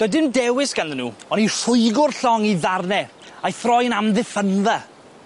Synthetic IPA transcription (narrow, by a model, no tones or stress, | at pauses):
d̥ɔjdɪndɛwɪsɡ̥anðənːuːɔnir̥ʊjɡʊrɬɔŋiðarnɛ | ajθrɔjənamðɪfənðɛ